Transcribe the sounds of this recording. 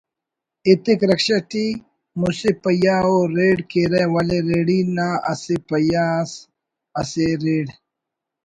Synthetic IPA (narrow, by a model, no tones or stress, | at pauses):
it̪ikɾɐkɕɐʈi | musepɐjaoɾeːɽkeɾewɐleɾeːɽinaɐ̰sepɐjas | ɐseɾeːɽ